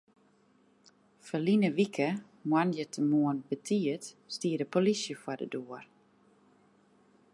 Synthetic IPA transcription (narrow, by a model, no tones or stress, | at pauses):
fəlinəʋikʰə | mwanjətʰəmoənb̥ətʰiətstiːədəpʰolisjəfwadə̰doər